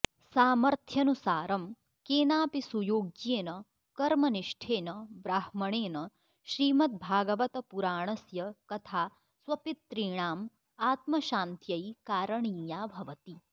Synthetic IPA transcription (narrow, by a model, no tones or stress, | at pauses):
saːmɐɾt̪ʰjɐnusaːɾɐm | keːnaːpisujoːɡjeːnɐ | kɐɾmɐniʂʈʰeːnɐʋɾaːhmɐɳeːnɐ | ʃɾiːmɐt̪̚bʱaːɡɐʋɐt̪ɐpuɾaːɳɐsjɐkɐt̪ʰaː | sʋɐpit̪ːɾiːɳaːm | aːt̪mɐʃaːnt̪jɐjkaːɾɐɳiːjaːbʱɐʋɐt̪i